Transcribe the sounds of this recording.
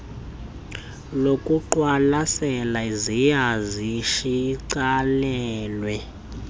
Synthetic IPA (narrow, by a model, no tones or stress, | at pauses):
lokʼuǃwalasɛlaizijaziʃiǀalɛɛːlwɛ